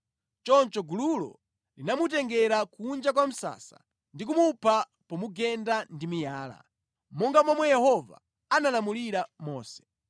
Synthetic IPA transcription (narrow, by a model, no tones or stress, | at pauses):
t͡ʃɔnt͡ʃɔɡululɔ̰ | linamut̬ɛŋɡɛɾakund͡ʒak̬wam̩sa̰sa̰ | ndik̬umupʰa | pɔmuɡɛndandimijaːla̰ | mɔŋɡamɔmwɛjɛhɔva̰ | analamuliɾamɔːsɛ̥